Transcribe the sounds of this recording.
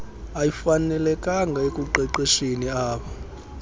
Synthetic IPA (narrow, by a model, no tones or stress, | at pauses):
ajifanɛlɛkʼaŋɡʱaekʼuǃɛǃeʃiniaːɓɔ